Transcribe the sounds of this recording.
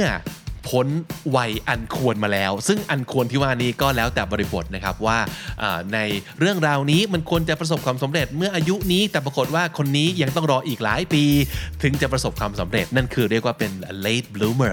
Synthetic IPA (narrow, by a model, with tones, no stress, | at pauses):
mɯ˥˩ɐpʰo˨˦˥nwa˧˩jʔa˧nkʰu˧ənmaː˧lɛː˦˥wsɯ˥˩ŋʔa˧nkʰu˧ənt̪ʰiː˥˩waː˥˩niː˦˥˩kɔː˥˩lɛː˦˥wt̪ɛː˨˩bɔː˧ɾi˧bo˨˩t̪̚na˦˥kʰa˦˥p̚waː˥˩ʔaː˨˩na˧jɾɯ˥˩əŋɾaː˧wniː˦˥ma˧nkʰu˧ənt͡ɕa˨˩pɾa˧s̬o˨˩p̚kʰwaː˧msa˨˩˦mɾe˨˩t̪̚mɯ˥˩ɐʔaː˧ju˦˥ʔniː˦˥t̪ɛː˨˩p̬ɾa˧ko˨˩t̪̚waː˥˩kʰo˧nːiː˦˥ja˧ŋt̪ɔ˥˩ŋɾɔː˧ʔiː˨˩k̚la̰ː˨˦jpiː˧t̪ʰɯ˩˦ŋt͡ɕa˨˩pɾa˧so˨˩p̚kʰwaː˧msa˩˦mɾe˨˩t̪̚na˥˩nkʰɯː˧ɾi˥˩ək̚waː˥˩pe˧nle˦˥˩t̪̚bluː˦˥mə˧˩